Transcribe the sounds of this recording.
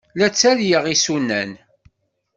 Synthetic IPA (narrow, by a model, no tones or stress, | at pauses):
læt͡sːæljəʁisunːæ̰n